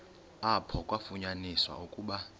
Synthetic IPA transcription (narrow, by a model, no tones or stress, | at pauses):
apʰɔkʼwafuɲaniswa̰ukʼuːɓa